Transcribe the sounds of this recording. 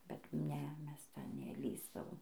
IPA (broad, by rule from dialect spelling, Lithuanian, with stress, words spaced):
bʲɛt ˈnʲɛ ˈmʲɛs ˈtʲɛn nʲɛˈlʲiːzdɐʋoːm